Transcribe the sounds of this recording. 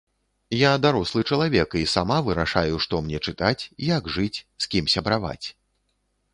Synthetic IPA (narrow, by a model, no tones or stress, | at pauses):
jad̪aɾɔslˠɨt͡ʂɐlˠavʲɛkisamavɨɾaʂajuʂt̪ɔmnʲɛt͡ʂɨt̪at͡sʲjaɡʐɨt͡sʲsʲkʲimsʲɐbɾava̰t͡sʲ